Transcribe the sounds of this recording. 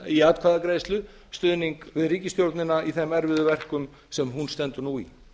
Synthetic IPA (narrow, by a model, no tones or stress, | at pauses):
iaːt̪̚kʰvaðakɾejst̪lʏ | st̪ʏðniŋkvɪðriːcɪst̪jowɾt̪nɪnːaiθɛmɛɾvɪðʏvɛr̥kʏm | sɛmɦunst̪ɛnt̪ʏɾnuḭ